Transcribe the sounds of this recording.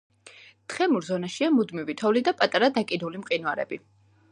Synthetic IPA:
t̪χɛmuɾzɔnaʃiamud̪mivit̪ʰɔvlid̪apʼat̪ʼaɾad̪akʼid̪ulimqʼinuaɾɛ̰bi

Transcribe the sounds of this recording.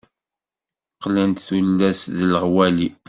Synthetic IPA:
qːlænt̪θulːæsðəlʁwæli

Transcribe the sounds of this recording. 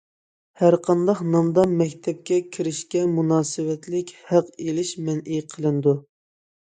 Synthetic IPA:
hæɾqʰɑnd̪ɑχnɑmd̪ɑmɛkʲt̪ʰɛp̚kʲɛkʲʰiɾɪʃkʲɛmunɑːsɨwɛt̪lɪkʲhæqelɪʃmɛnʔiqʰəlˠɨnɨd̪u

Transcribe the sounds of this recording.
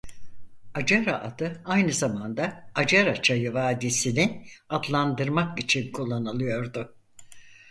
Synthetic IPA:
ad͡ʒaɾaʔad̪ɯajnɯzamand̪aad͡ʒaɾat͡ʃʰajɯvaːd̪isinɪad̪lˠand̪ɯɾmakit͡ʃʰinkʰulˠːanɯlˠɯjo̞ɾd̪ʊ

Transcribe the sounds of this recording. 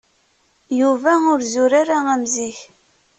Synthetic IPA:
juvæʊɾzʊɾaɾaæmziç

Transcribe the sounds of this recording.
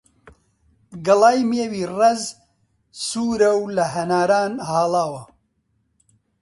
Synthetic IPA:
ɡɐlaːjmeːwiːrɐz | suːɾɐwlɐɦɐnaːɾaːnhaːlaːwɐ

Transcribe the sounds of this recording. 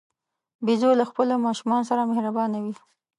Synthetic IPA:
bezolaxpəlomɑʃumɑnosaɾamehɾabɑnawi

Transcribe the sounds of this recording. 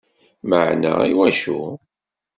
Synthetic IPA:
məʕnæ̰iwæʃu

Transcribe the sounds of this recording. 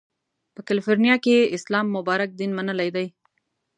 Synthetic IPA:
pəkalifoɾnijɑkeɪslɑmːʊbɑɾak̚d̪inmanəlajd̪aj

